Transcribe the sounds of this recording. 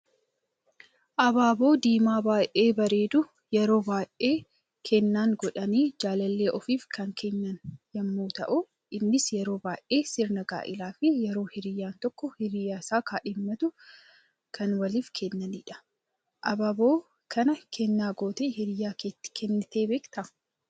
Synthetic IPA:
ʔɐbaːbo̞ːd̪iːmaːbaːʔʔe̞ːbɐɾe̞ːd̪ʊ | jɛɾo̞ːbaːʔʔeː | kʰɛnːaːŋɡɔᶑɐniːd͡ʒaːlɐlːe̞ːʔɔfiːfkɐŋkʰɛnːɐnjɐmːuːt̪ɐ̰ʔʊ | ɪnːɪsjɛɾo̞ːbaːʔʔe̞ːsɪɾnɐɡa̰ːʔɪlaːfɪjɛɾo̞ːhɪɾɪjːaːnt̪ɔkːɔhɪɾɪjːaːɪsaːkaːᶑɪmːɐt̪ʊ | kʰɐnwɐliːfkʰɛnːɐniːᶑɐ̥ | ʔɐbaːbo̞ː | kʰɐnɐkʰɛnːaːɡo̞ːt̪ehɪɾɪjaːkeːt̪ːɪ̥kʰɛnːɪt̪eːbeːkt̪ɐ

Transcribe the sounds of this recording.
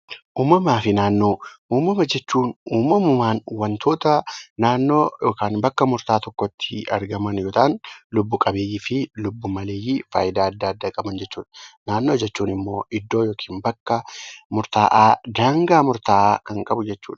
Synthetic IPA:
ʔuːmːɐmaːfɪnaːnːo̞ːuːmːɐmɐd͡ʒɛt͡ʃːuːnuːmɐmʊmaːnwɐnt̪ʰo̞ːt̪ɐnaːnːo̞ːjoːkaːnbɐkːɐmʊɾt̪aːt̪ɔkːɔt̪ʰːɪɐ̰ɾɡɐmɐnjoːt̪aːnlʊbːʊkʼɐbeːjːifɪlʊbːʊmɐleːjifa̰ːjɪd̪aːɐd̪ːaːɐd̪ːɐkʼɐbɐnd͡ʒɛt͡ʃːuːᶑɐ̥naːnːo̞ːd͡ʒɛt͡ʃːuːnɪmːo̞ːʔɪd̪ːo̞ːjo̞ːkʰiːnbɐkːɐmʊɾt̪aːʔaːd̪aːŋɡaːmʊɾt̪aːʔaːkɐŋkʼɐbʊd͡ʒɛt͡ʃːṵːᶑɐ̥

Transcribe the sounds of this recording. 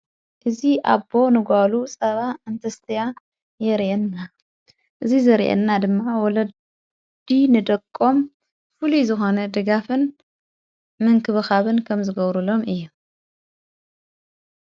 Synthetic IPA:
ʔɨziʔa̰bo̞nɨɡʷalusʼɐβaɨnt̪ʰɐst̪ʰija | jɛɾʔɛnːa | ʔɨzizɐɾʔɛ̰nːad̪ɨmːawɔlɐ | d̪̥inɨd̪ɐkʼːo̞m | fɨluzɨxonɐd̪ɨɡafɨn | mɨŋkʰɨβɨxaβɨnkʰɐmzɨɡɐβɾulo̞mʔɨjːu

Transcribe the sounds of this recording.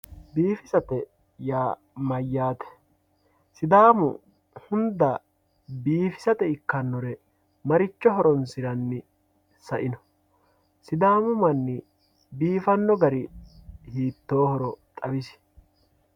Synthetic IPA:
biːfɪsɐt̪ɛ | jaː | mɐjːaːt̪ɛ̥ | sɪd̪aːmʊ̰ | hʊnd̪ɐ | biːfɪ̥sɐt̪ɛɪkːɐnːɔɾɛ | mɐɾɪt͡ʃːɔɦɔɾɔnsɪɾɐnːɪ | sɐʔɪnɔ̥ | sɪd̪aːmʊmɐnːɪ | biːfɐnːɔɡɐɾɪhiːt̪ːoːhɔɾɔt̪ʼɐbɪs

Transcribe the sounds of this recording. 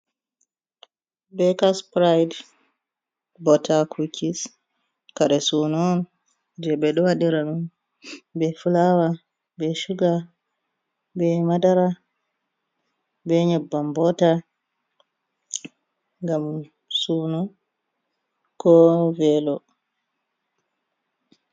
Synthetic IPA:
bɛkaspɾajd | bɔtʰakʰukʰis | kaɾɛsunɔn | d͡ʒɛbɛɗɔwaɗiɾaɗun | bɛfulawa | bɛʃuɡa | bɛmadaɾa | bɛɲɔbːambɔta | ŋɡam | sunɔn | kɔvɛlɔ

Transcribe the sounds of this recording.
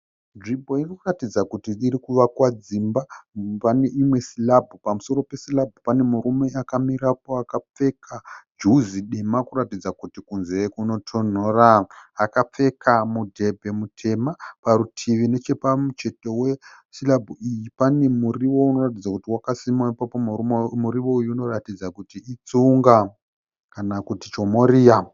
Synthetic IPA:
ʐibʱo̞irikuratid͡zakutiːɾikuʋakwad͡zimbapane̞ʔimwe̞silabʱupamuso̞ro̞pe̞silabʱupane̞muɾume̞akamiɾap̚o̞akap͡fe̞kʰad͡ʒuziɗemakuɾatid͡zakutikunze̞kuno̞tʰo̞n̤o̞raakap͡fe̞kʰamudʱe̞bʱe̞mutʰe̞mapaɾutʰiʋine̞t͡ʃe̞pamut͡ʃe̞to̞we | silabʱuijipane̞muriwo̞uno̞rat̬id͡zakutiwakasimaipapomuumuɾiʋo̞ujuuno̞ratid͡zakutiit͡suŋɡa | kanakutit͡ʃo̞mo̞ɾiːja

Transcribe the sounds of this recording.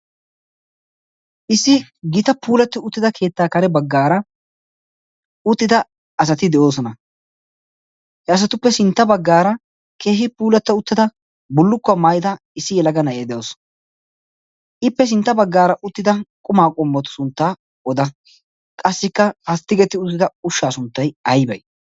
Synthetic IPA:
ʔɪsːɪɡɪt̪ɐpuːlɐt̪ːʊʊt̪ːɪd̪ɐkʰe̞ːt̪ːaːkɐɾɛbɐɡːaːɾɐ | ʊt̪ːɪd̪ɐ | ɐs̬ɐt̪ɪd̪ɛʔo̞ːs̬ɔnɐ | hɛɐs̬ɐt̪ʊpːɛsɪnt̪ːɐbɐɡːaːɾɐ | keːɦɪpuːlɐt̪ːɔʊt̪ːɪd̪ɐ | bʊlːʊkːʊɐmaːjɪd̪ɐ | ɪsːɪjɛlɐɡɐnɐjeːd̪ɛjoːsɔ̥n | ɪpːɛs̬ɪnt̪ːɐbɐɡːaːɾɐʔʊt̪ːɪd̪ɐkʼʊmaːkʼɔmːɔt̪ʊ̥sʊnt̪ːaː | ɔd̪ɐ | kʼɐsːɪkːɐhɐst̪ːɪɡɛt̪ːɪʊt̪ːɪd̪ɐʊʃːaːsʊnt̪ːɐjɐjbɐj

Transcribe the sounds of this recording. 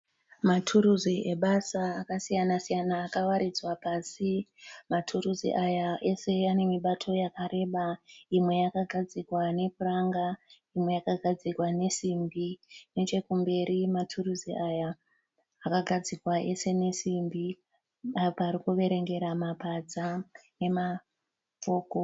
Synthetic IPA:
matʰuɾuziʔe̞ɓasaːkasijanasijanaːkawaɾid͡zwapasimatʰuɾuzḭʔajaʔe̞se̞ane̞miɓatʰo̞jakaɾe̞ːɓaimwe̞jakaɡʱad͡zikwane̞kuraŋɡa | imwe̞jakaɡʱad͡zikwane̞simbinet͡ʃe̞kumbe̞ɾimatʰuruziʔajaː | kaɡʱad͡zikwaʔe̞se̞ne̞simbi | apaɾikuʋe̞ɾe̞ŋɡe̞ɾamapad͡zane̞ma | p͡fo̞ːko̞

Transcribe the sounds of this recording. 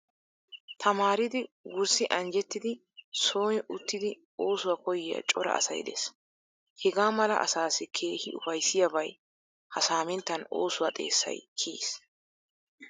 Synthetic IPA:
t̪ʰɐmaːɾɪd̪ɪɡʊɾsɪʔɐnd͡ʒɛt̪ːɪd̪ɪ | so̞ːnɪʔʊt̪ːɪd̪ɪ | oːsʊwakɔjɪjɐ̰t͡ʃʼɔɾɐ̰ɐ̰sɐ̰jd̪ɛ̰s | hɛɡaːmɐlɐ̰ʔɐ̰saːsɪkʰe̞ːhɪʊfɐjsɪjɐbɐj | hɐsaːmɛnt̪ːɐno̞̰ːsʊwat̪ʼe̞̰ːsːɐ̰jkʰḭːs

